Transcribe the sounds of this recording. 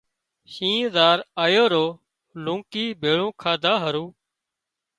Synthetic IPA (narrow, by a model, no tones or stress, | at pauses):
ʃĩːzaːɾaːjoːɾoː | lũːkiːbʱeːɭũːkʰaːd̪ʱaːɦəɾũː